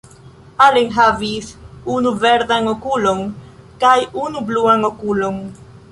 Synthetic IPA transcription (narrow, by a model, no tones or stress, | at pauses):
aliŋɦavisunuvɛɾd̪aŋokuloŋkajunubluaŋokuloŋ